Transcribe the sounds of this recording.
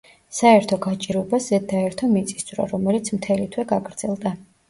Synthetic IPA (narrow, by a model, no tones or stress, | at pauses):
saɛɾt̪ʰɔɡat͡ʃʼiɾɛbazɛd̪aɛɾt̪ʰɔmit̪sʼi̥sd̪zʼɾɔ̰ɾɔmɛlit̪sʰmt̪ʰɛlit̪ʰwɛɡaɡɾd̪z̥ɛlˠd̪a